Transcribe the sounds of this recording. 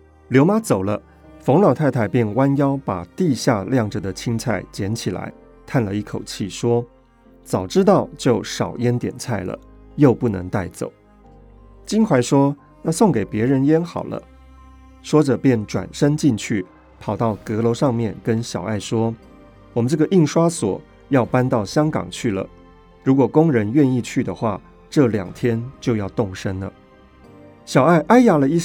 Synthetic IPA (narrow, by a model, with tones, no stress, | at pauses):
ljo˧˥ʊma˥t͡so˨˩ʊlə̰˦ | fo˧˥ŋlɑ˨˩ʊt̪ʰa˥˧ɪt̪ʰa˥˩ɪpjɛ˥˩nwa˥njɑ˥ʊpa˨˩t̪i˥˧ɕja˥˧ljɑ˥˩ŋʈ͡ʂə˨˩d̪ə˩t͡ɕʰi˥ŋt͡sʰa˥˩ɪt͡ɕjɛ˧˥nt͡ɕʰi˨˩la̰˧˥ɪ | t̪ʰa˥˩nlə˩i˥˩kʰo˨˩ʊt͡ɕʰi˥˩ʂwɔ˥ | t͡sɑ˨˩ʊʈ͡ʂɻ̩˥t̪̬ɑ˥˧ʊt͡ɕjo˥˩ʊʂɑ˨˩ʊjɛ˥nt̪jɛ̰˨˩nt͡sʰa˥˩ɪlə̰˩ | jo˥˧ʊpu˥˩nɤ̰˧˥ŋt̪a˥˩ɪt͡so̰˨˩˦ʊ | t͡ɕi˥nkʰwa˧˥ɪʂwɔ˥ | jɑ˥˧ʊso˥˩ŋke˨˩ɪpjɛ˧˥ɻə˧˥njɛ˥nxɑ̰˨˩ʊlə̰˦ | ʂwɔ˥ʈ͡ʂɤ˨˩pjɛ˥˩nʈ͡ʂwa̰˨˩nʂə˥ŋt͡ɕi˥˧nt͡ɕʰy˥˩ | pʰɑ˨˩ʊt̪ɑ˥˩ʊkɤ˧˥lo˧˥ʊʂɑ˥˧ŋmjɛ˥˩nkə˦nɕjɑ˨˩ʊa˥˩ɪʂwɔ˥ | wɔ˨˩mə˦nʈ͡ʂɤ˥˩ɡə˨˩ʔi˥˩ŋʂwa˥swɔ̰˨˩˦ | jɑ˥˩ʊpa˥nt̪ɑ˥˩ʊɕjɑ˥ŋkɑ̰˨˩ŋt͡ɕʰy˥˩lə̰˩ | ɻu˧˥kwɔ˨˩kʊ˥ŋɻə˧˦˥nɥɛ˥˧ni˥˧t͡ɕʰy˥˩d̪ə˩xwa̰˥˩ | ʈ͡ʂɤ˥˩ljɑ̰˨˩ŋt̪ʰjɛ˥nt͡ɕjo˥˧ʊjɑ˥˧ʊt̪ʊ˥˩ŋʂə˥nlə̰˨˩ | ɕjɑ˨˩ʊa˥˩ɪʔa˥ɪja˥˩lə˨˧i˥˧